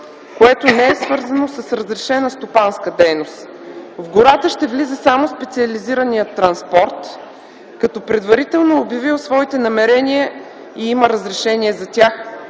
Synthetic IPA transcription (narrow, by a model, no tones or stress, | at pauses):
koɛt̪onɛɛsvɤɾzənosɐsɾəzɾɛʃɛnəst̪opanskəd̪ɛjnost̪ | vɡʊɾat̪əʃt̪ɛvlizɛsamospɛt̪siɐliziɾənijət̪ːɾɐnspɔɾt̪ | kɐt̪ɔpɾɛd̪vɐɾit̪ɛlˠnoːbjɐvilˠsvɔit̪ɛnɐmɛɾɛniə | iiməɾəzɾɛʃɛnʲiɛzɐt̪ʲax